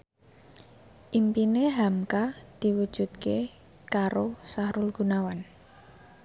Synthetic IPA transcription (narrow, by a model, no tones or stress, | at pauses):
ʔimpineɦamkad̪̥i̤wud̥ʒ̥ṳt̪̚ke | kaɾosaɾʊlɡ̥ṳnawan